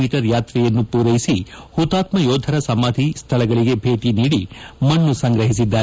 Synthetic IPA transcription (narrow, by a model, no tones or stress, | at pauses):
iːʈɐɾjaːt̪ɾɛjɐnːupuːɾɐjisi | hut̪aːt̪mɐjoːd̪ʱɐɾɐsɐmaːd̪ʱist̪ʰɐɭɐɡɐɭiɡe̞bʱeːʈiniːɽimɐɳːusɐŋɡɾɐɦisid̪ːaːɾe